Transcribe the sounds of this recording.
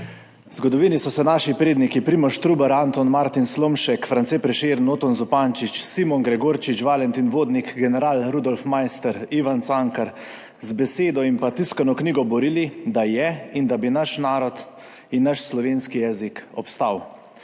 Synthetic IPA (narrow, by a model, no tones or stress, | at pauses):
zɡɔd̪ɔʋiːnisɔsɛnaːʃipɾeːd̪nikipɾimɔʃt̪ɾuːbɛɾant̪ɔnmaɾt̪inslomʃɛkfɾant̪sepɾɛʃeːɾnoːt̪ɔnzɔpaːnt͡ʃit͡ʃsimɔŋɡɾɛɡoːɾt͡ʃit͡ʃʋalɛnt̪inʋoːd̪nikɡɛnɛɾaːlɾud̪ɔlfmajst̪ɛɾiʋant̪saŋkaɾ | zbɛseːd̪ɔimpat̪iskanɔkniːɡɔbɔɾilid̪ajɛind̪abinaʃnaːɾɔt̪ | inːaʃslɔʋeːnskijɛːzikɔpst̪aːw